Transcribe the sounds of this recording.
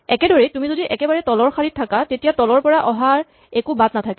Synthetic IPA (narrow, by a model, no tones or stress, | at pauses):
ɛkɛdɔɹitumizodiʔɛkɛbaɹɛtɔlɔɹxaɹit̚ʰːakatetijatɔlɔɹpɔɹaʔɔɦaɹ | ɛkubatnatʰakɛ